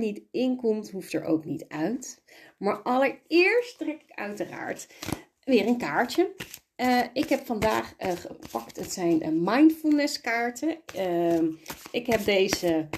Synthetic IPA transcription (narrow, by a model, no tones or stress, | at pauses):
nitɪnkɔmtɦuftə̰ɹʔo̰wknitœɥtmaːɹʔɑləɹɪːɹsttrɛkɪ̥kœ̰ɥtəra̰ːɹt | ʋɪːrənkaːɹtə | ɪkɦɛpfɑndaːχχə̰pɑktətsɛjnmɑjntfulˠnəskaːɹtə | ɪkɦɛp̚dejzə